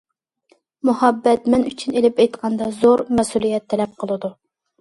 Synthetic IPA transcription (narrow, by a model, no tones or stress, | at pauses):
muhɑbːɛt̪mɛnyt͡ʃʰynelɪpɛjt̪qʰɑnd̪ɑzoɾmɛsulˠijɛt̪ʰːɛlɛp̚qʰəlˠɨd̪u